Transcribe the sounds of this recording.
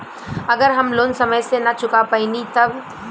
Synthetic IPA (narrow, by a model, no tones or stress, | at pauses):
ɐɡəɾɦɐmloːnsɐməjsenɐt͡ʃʊkapainit̪ɐb